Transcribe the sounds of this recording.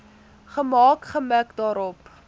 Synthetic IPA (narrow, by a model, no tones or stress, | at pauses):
χəmɑːkχəməkdɑːɾɔp